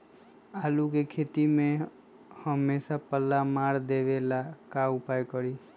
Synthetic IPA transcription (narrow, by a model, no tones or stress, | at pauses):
alukekʰet̪ime | həmːesapəlːamaɾd̪eʋelakaupajkəɾi